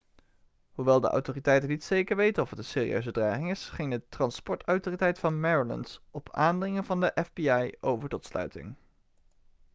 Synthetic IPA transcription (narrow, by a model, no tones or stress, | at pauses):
huʋɛlˠdə̰ʔa̰wtoritɛjtənitsejkəɹʋejtənɔfətənseːrḭʔø̰ɥzədraːχɪŋɪsχɪŋdətrɑnspɔɹtœwtoːritɛjtfɑnmɛɹolə̰nsʔɔpʰaːndrɪŋənvɑndəʔɛvbiɑjowvəɹtɔtslœ̰ɥtɪ̰ŋ